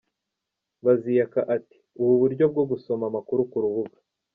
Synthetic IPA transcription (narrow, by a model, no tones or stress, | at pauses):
βazijakaʔati̥uβuβuɾɟo̞b̚ɡo̞ɡuso̞mamakuɾukuɾuβuɡḁ